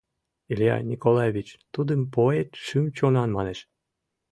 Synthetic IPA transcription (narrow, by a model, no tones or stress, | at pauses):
ilʲijɑ̰nʲikolˠɑjevʲit͡ɕt̪ud̪əmpoet̪ʃymt͡ɕonɑnmɑneʃ